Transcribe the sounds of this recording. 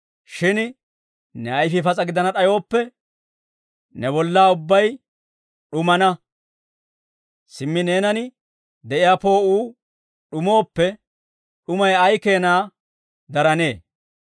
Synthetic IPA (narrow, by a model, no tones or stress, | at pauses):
ʃɪn | nɛɐjfɪfɐt͡sʼɐɡɪd̪ɐnɐɗɐjo̞ːpːɛ | nɛbɔlːaːʊbːɐj | ɗʊmɐnɐ | sɪmːɪne̞ːnɐnɪ | d̪ɛʔɪjaːpo̞ːuː | ɗʊmo̞ːpːɛ | ɗʊmɐjɐjke̞ːnaː | d̪ɐɾɐne̞ː